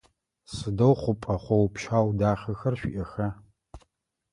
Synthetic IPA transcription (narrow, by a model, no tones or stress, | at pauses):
sɨdɐwχʷʊpʼɐχʷɔwpʃaːwdaːχɐxɐrʃʷᶣḭʔɐxɐ